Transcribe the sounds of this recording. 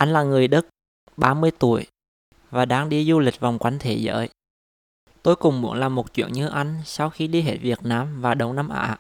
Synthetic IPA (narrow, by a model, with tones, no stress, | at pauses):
ʔa˧jŋ̟laː˨˩ŋɨ˨˩əjɗə˦˥t̚ | ɓaː˧mɨ˧əjt̪u˧˩əj | vaː˨˩ɗaː˧ŋɗi˧zu˧lï˨˩k̟̚va˨˩wŋ͡mkwa˧˦jŋ̟t̪ʰe˧˦zə̰ː˧˦j | t̪o˧jkʊ˨˩ŋ͡mmṵ˧˥ənlaː˨˩mo˨˩t̚t͡ɕwḭ˧˨ənɲɨ˧ʔa˧jŋ̟sa˧wxi˧ɗi˧ɦe˧˥˩t̚vi˨˩ət̚naː˧mvaː˨˩ɗə˨˧˩wŋ͡mna˧mʔa̰ː˧˥